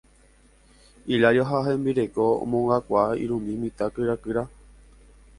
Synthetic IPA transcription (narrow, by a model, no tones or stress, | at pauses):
iʎajoɦaɦẽmbiɾe̞koo̰mõŋɡakʷaḭɾũmĩmĩt̪akɨɾakɨɾa